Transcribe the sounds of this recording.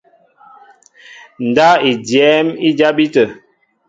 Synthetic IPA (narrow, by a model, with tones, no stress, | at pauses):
n̩˨da˦i˨djɛ˨˦mi˦d͡ʒa˦bi˦tə˨